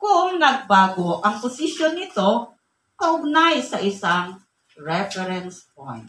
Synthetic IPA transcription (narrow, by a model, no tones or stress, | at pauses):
kʊŋnɐɡ̚baːɡoʔɐŋpʊsɪʃonːɪt̪o̞ | kɐʔʊɡ̚najsɐʔɪsaŋ | ɹɛfɛɾɛnsp̚o̰jnt̪̚